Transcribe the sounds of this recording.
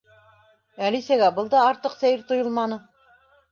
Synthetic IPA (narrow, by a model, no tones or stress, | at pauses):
ælisæɡæbɤlˠd̪ɑːɾt̪ɤqsæjɘɾt̪ŏjɤlˠmɑnɤ